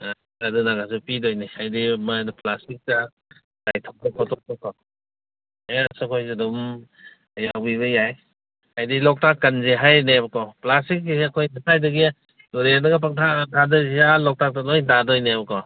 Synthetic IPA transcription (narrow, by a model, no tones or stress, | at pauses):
adɯnaɡasupidɔjnihajdimadplastik̚ta | dajtʰɔk̚dakʰɔtʰɔk̚tɔkʰɔ | easukʰojzidɔm | jawbiβɯjaj | hajdilɔk̚takːanzeɦajnebɐkɔplastik̚ɐkʰojnipʰajdɯɡi | uɾenaɡap̬ak̚tʰatʰadɔzialɔk̚tak̚tanɔjdadɔjnebɐkɔ